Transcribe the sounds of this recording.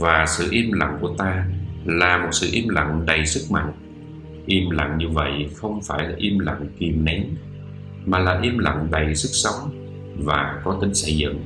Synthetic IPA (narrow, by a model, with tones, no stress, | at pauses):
vaː˨˩sɨ̰˧˨ʔi˧mla̰˧˨ŋku˧˩ət̪aː˧laː˨˩mo˨˩t̚sɨ̰˧˨ʔi˧mla̰˧˨ŋɗə˨˩jsɨ˦˥k̚ma̰˧˨ŋ | ʔi˧mla̰˧˨ŋɲɨ˧və̰˧˨jxə˧wŋ͡mfaː˧˩jlaː˨˩ʔi˧mla̰˧˨ŋki˨˩mnɛ˨˦n | maː˨˩laː˨˩ʔi˧mla̰˧˨ŋɗə˨˩jsɨ˦˥k̚sə˨˦wŋ͡m | vaː˨˩kɔ˨˦t̪ï˨˦ŋ̟sə˧jzɨ̰˧˨ŋ